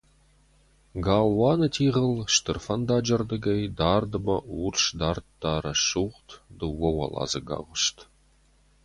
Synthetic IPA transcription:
ɡaːlwɑːnɐtʰiːʁəlʃt̪ɨrfɐnd̪aːd͡ʒɐrd̪ɨɡɐjd̪aːrd̪ɨbɐurʃd̪aːrtdaːɾɐʃuʁtd̪ɨwɐwɐ̰lɑ̰ːzɐɡa̰ːʁʷʊʃt̪

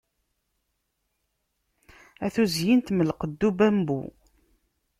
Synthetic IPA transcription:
æθuzjint̪məlqəd̪ːubæmbṵ

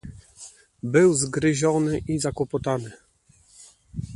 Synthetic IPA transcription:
bɘwzɡɾɘʑɔnɘʔizakwɔpɔt̪anɘ

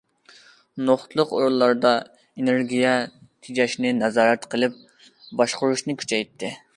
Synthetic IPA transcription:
noχt̪lˠʊqoɾulˠɑɾd̪ɑ | eneɾɡʲijɛt̪ʰid͡ʒɛʃnɪnɛzɑːɾɛt̪qʰəlˠɨp̚ | bɑʃqʊɾuʃnɨkʲʰy̥t͡ʃʰɛjt̪ʰːɪ

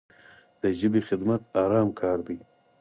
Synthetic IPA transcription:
d̪̥əʒəbexɪd̪mat̪̚ɑɾɑːmkʰɑːɾd̪aj

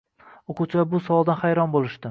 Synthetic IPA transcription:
oqʰʊt͡ʃʰabʊsɒvɒlˠd̪anχajɾɒnbolˠɪʃd̪ɪ

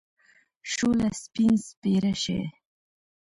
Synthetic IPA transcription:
ʃolaspinspeɾaʃḛ

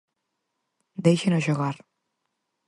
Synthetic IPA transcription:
d̪ejʃenoʃoɣaɾ

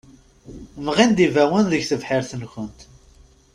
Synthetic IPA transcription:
mʁind̪ivæwənðəʝθəvħɪɾθənçʷənt̪

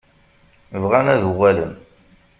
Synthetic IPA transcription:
vʁænæðuwælən

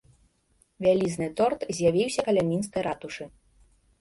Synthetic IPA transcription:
vʲalʲiznɨt̪ɔrt̪zʲjavʲiwsʲɐkɐlʲamʲinskɐjɾat̪uʂɨ

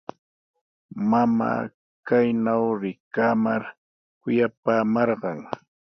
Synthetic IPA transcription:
mama̰ː | kajnawɾɪkamaɾ | kʊjapaːmɑɾɢɑŋ

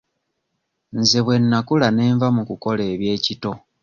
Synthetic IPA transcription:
nzeβwe̞nːakulane̞ːɱvamukuko̞le̞ːβje̞ːcito̞

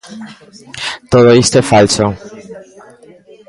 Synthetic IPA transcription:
t̪ot̪ojest̪efalso

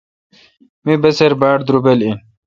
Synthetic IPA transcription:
mibɐseɾbaːɽd̪ɾubelin

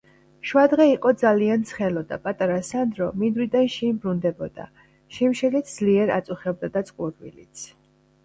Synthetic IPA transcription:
ʃwad̪ʁɛiqʼɔd̪zaliant̪sʰχɛlɔd̪a̰pʼat̪ʼaɾasand̪ɾɔmind̪wid̪anʃɛmbɾund̪ɛbɔd̪̥a̰ | ʃimʃɛlit̪ʰd̪z̥liɛɾa̰t̪sʼuχɛb̚d̪ad̪at̪sʼqʼuɾvḭlḭt̪sʰ

